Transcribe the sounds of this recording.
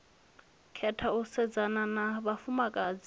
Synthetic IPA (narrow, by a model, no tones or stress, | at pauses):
kʰɛtʰausɛd͡zananaβafumakʼaːd͡zi